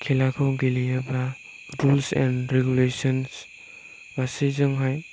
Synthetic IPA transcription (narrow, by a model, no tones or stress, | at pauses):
kʰilakʰɔwɡilijabɾa | ɾulsɛ̰nɾeɡulesɔns | basizɔŋɦaj